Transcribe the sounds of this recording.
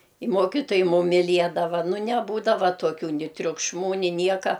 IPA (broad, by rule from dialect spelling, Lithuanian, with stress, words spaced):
ɪ ˈmuɔkʲɪtoːjɛɪ ˈmʊm mʲɪˈlʲiɛdɐʋɐ ˈnʊ nʲɛˈbuːdɐʋɐ tuɔˈkʲuː ˈnʲɪ tʲrʲʊkʃˈmuː ˈnʲɪ ˈnʲiɛkɐ